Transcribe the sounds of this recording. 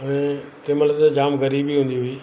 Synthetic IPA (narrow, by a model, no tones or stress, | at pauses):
əẽt̪ɪməlt̪ed͡ʑaːmɣɐɾiːbiɦũːnd̪iɦʊiː